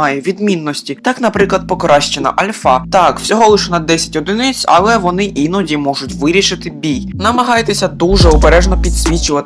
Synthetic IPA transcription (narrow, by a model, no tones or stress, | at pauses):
ɑjɛʋʲid̪mʲinːɔsʲtʲit̪ɑkn̪ɐpɾɪklˠɐd̪̚pɔkɾɑʃt͡ʃenɐ̰ʔɐlʲfɑt̪ɑkwsʲɔɦɔlˠɪʃɛnɐd̪ːɛsʲɐ̥tʲɔd̪ɪnɪt͡sʲɐ̰lˠɛʋɔnɪʔinɔdʲimɔʒʊtʲʋɪɾʲiʃɪt̪ɪbʲijnɐmɐɦɑjt̪esʲɐd̪uʒɛɔbeɾɛʒnɔpʲid̪sʲʋʲit͡ʃʊʋɐt̪